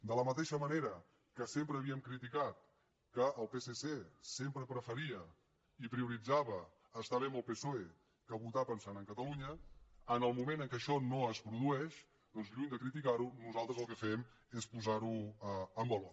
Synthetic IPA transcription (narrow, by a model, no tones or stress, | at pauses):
d̪ələmət̪eʃəməneɾə | kəsempɾəːβiəmkɾit̪ikat̪̚ | kəʔːlˠpesesesempɾəpɾəfəɾiə | ipɾiuɾid͡zaβəː | st̪aβɛməlˠpesoe | kəβut̪apənsanəŋkət̪əluɲəənəlˠmumẽnəŋkɛəʃɔnoəspɾuðuɛʃ | d̪ɔnzʎuɲd̪əkɾit̪ikaɾunuzalˠt̪ɾəzəlˠkəfɛm | espuzaɾuəəmbɔlɔ